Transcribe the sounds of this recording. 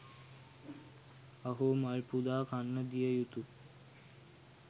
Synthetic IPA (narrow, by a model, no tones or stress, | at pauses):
ɐɦomalpud̪aːkanːəd̪ijəjut̪u